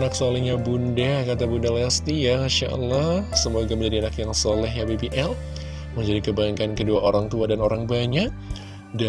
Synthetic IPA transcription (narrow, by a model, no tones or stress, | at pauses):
naksolihɲabundakat̪abundalaast̪ijaaʃa̰ʔə̰lːahsəmoɡaməɲd͡ʒadianakjaŋsɔlɛɦjabebiʔɛl | məɲd͡ʒadikəbaŋkankəduaʔoɾaŋt̪uadanoɾaŋbaɲak̚ | da